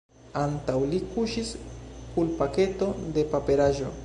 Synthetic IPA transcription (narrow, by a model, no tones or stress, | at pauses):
ant̪awlikuʃiskulpake̞t̪o̞d̪e̞pape̞ɾaʒo̞̰